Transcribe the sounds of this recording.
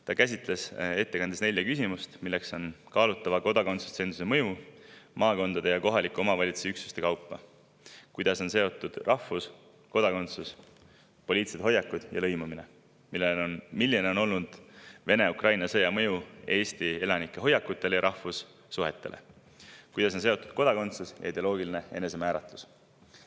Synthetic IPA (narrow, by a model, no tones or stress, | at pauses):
t̪ɑkæs̬ʲit̪ˑle̞se̞t̪ːe̞kɑnd̪esne̞lʲjɑkysimust̪milːe̞kso̞nkɑːlut̪ˑːɑvɑko̞d̪̥ɑko̞nt̪su̥st̪se̞ːnsu̥semɤ̞jumɑːko̞nd̪̥ɑd̪e̞jɑko̞ɦɑlikːˑuo̞mɑvɑlʲit̪su̥siyksu̥st̪e̞kɑwpːɑ̰ | kujd̪̥ɑso̞nse̞o̞t̪ːˑud̪̥rʔɑhvus | ko̞d̪̥ɑko̞nt̪sus | po̞liːt̪set̪o̞jːɑkːˑud̪̥jɑ̰lɤ̞jmumine̞̰ | milːeonmilːineo̞no̞lnud̪̥ve̞ne̞ukrɑjnɑsɤjɑmɤ̞jue̞ːst̪ie̞lɑnikːˑe̞ɦo̞jːɑkːˑut̪ːˑe̞lejɑɾʔɑhfusː | uɦe̞t̪ːe̞̰lʔe̞̰ | kujd̪ɑs̬o̞nse̞o̞t̪ːˑud̪̥ko̞d̪̥ɑko̞nt̪susjɑ̰id̪eolo̞ːɡ̥iline̞je̞ne̞s̬e̞mæːɾɑt̪ˑlu̥s